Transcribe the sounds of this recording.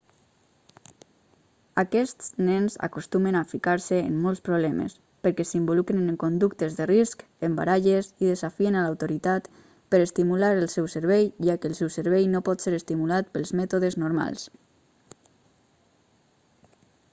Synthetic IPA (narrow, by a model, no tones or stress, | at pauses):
akɛst̪snɛnza̰kost̪umənafikaɾsəḛnːɔlˠspɾoβ̞lɛmḛs | pəɾkɛsimbolukɾeneŋkond̪uk̚t̪əzðərisk | əmba̰ɾaʒeziðəzafienalawt̪oɾit̪at̪ | pəɾəst̪imulaɾəlˠsɛwsəɾβɛjʒakəːlˠsɛwsəɾβɛjnopɔt̪seɾəst̪imulat̪pəlˠzmɛt̪oðəznoɾma̰lˠs